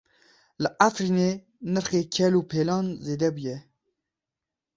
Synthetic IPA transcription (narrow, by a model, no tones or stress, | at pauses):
ləʔafɾiːneː | nəɾxeːkʰɛluːpʰeːlɑːnzeːd̪ɛbujɛ